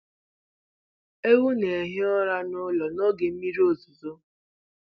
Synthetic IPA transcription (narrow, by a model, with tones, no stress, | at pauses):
e˦wu˦ne˨ɦe˦ɔ˦ɾa˦nʊ˦lɔ˨nɔ˦ɡe˨m̩˦mi˦ɾi˦o˦zu˨zo˦